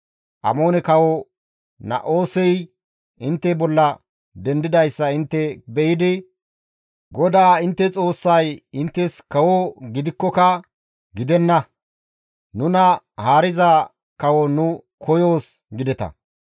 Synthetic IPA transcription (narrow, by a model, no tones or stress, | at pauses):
ʔɐ̰mo̞ːnɛkɐwɔ | nɐ̰ʔo̞ːsɛj | ɪnt̪ːɛbɔlːɐ | d̪ɛnd̪ɪd̪ɐjsːɐɪnt̪ːɛbɛjɪd̪ɪ | ɡɔd̪aːɪnt̪ːɛt͡sʼo̞ːsːɐjɪnt̪ːɛskɐwɔɡɪd̪ɪkːɔkɐ | ɡɪd̪ɛnːɐ | nʊnɐ | haːɾɪzɐ | kɐwɔnʊ | kʰɔjo̞ːs | ɡɪd̪ɛt̪ɐ̰